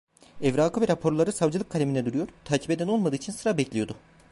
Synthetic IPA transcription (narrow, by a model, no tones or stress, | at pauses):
ɛvɾaːkʰɯvɛɾapʰo̞ɾlˠaɾɯsavd͡ʒɯlˠɯkʰːalʲeminɛd̪uɾujo̞ɾt̪ʰaːcʰibed̪æno̞lˠmad̪ɯːt͡ʃʰinsɯɾabɛclʲijo̞d̪ʊ